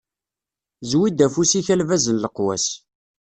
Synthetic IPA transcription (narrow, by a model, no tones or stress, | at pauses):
zwid̪æfusiçælvæzənləqwæ̰s